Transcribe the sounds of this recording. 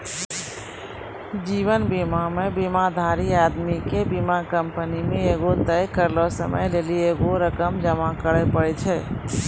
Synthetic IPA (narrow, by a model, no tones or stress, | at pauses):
d͡ʒiʋənbimamebimad̪ʱaɾiad̪mikebimakəmpənimeeɡot̪əjkəɾlɔsə̰mə̰jlelieɡoɾəkəmd͡ʒəmakəɾəpəɽɛt͡ʃʰɛ